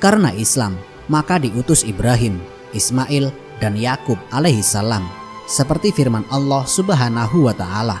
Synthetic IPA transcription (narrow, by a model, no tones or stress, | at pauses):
kaɾənaʔislamː | akadiʔut̪ʊsibɾaɦɪm | ʔismaʔɪl | danjakʊp̚alehisalam | səpərt̪ifirmanɑlːɔhsubaɦanaɦuwat̪aʔala